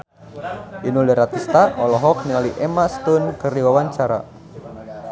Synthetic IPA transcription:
ʔinulɛɾat̪ist̪aɔlɔɦɔk̚niŋaliʔɛmast̪ʊnkɨrdiwawaɲt͡ʃaɾa̰

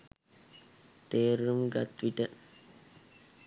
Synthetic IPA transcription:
t̪eːɾumɡɐt̪ʋiʈə

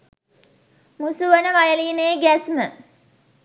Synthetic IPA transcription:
musuʋənəʋajəliːnejɡæsmə

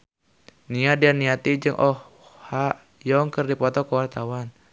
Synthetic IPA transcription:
niadianiat̪id͡ʒɨŋʔɔh | ha | jɔŋkərdipɔt̪ɔkəwart̪awan

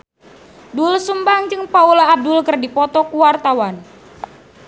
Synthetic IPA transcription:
dulsumbaŋd͡ʒɨŋpaulaːb̚dʊlkərdipɔt̪ɔkuwart̪awan

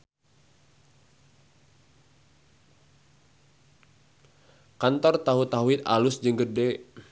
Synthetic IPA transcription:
kant̪ɔrt̪aɦut̪aɦwɪt̪a̰lusd͡ʒəŋɡərdɛ

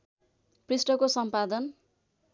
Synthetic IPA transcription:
prisʈʌkosʌmpad̪ʌn

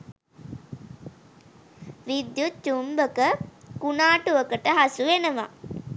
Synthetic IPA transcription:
ʋid̪jut͡ʃumbəkəkunaːʈuʋəkəʈəɦasuʋenəʋa̰

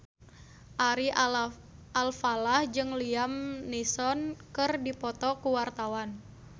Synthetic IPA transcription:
ʔaɾi | ʔalfalahd͡ʒɨŋliamnisɔnkɨrdipɔt̪ɔkuwart̪awan

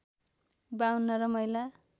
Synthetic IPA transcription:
bawnːʌɾʌmʌjla

